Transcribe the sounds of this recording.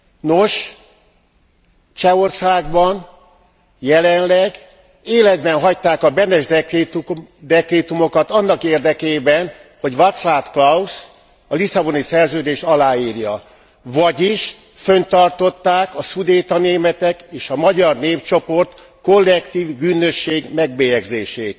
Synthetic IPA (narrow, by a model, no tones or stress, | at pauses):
noʃ | t͡ʃɛo̞rsaːɡbɒn | jɛlɛnlɛɡ | eːlɛd̪̚bɛnɦɒct̪aːkɒbɛnɛʒd | d̪ɛkreːt̪umo̞kɒt̪ɒnːɒkeːrd̪ɛkeːbɛnho̞ɟvɒt̪slaːfklɒus | ɒlisɒbo̞nisɛrzøːd̪eːʃɒlaːiːrjɒ | vɒɟiʃ | fø̞nt̪ɒrt̪o̞t̪ːaːkɒsud̪eːt̪ɒneːmɛt̪ɛkeːʃɒmɒɟɒrneːft͡ʃo̞po̞rt̪ | ko̞lːɛkt̪iːvbyːnø̞ʃːeːɡmɛɡbeːjɛɡzeːʃeːt̪